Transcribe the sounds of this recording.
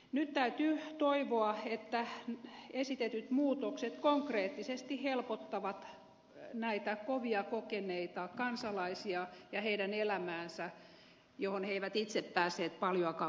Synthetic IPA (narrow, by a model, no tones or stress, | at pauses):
nyt̪t̪æyt̪yːt̪oiʋoɑet̪ːæ | esit̪et̪yt̪muːt̪okset̪koŋkreːt̪ːisest̪ihelpot̪ːɑʋɑt̪ | næit̪ækoʋiɑkokeneit̪ɑkɑnsɑlɑisiɑjɑheidænelæmæːnsæ | johonheiʋæt̪it̪seppæːsˑeːt̪̚pɑljoɑkɑ